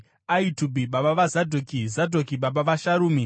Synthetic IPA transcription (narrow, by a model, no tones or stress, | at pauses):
aitubʱiɓaɓaʋazadʱokizadʱokiɓaɓaʋaʃaɾuːmi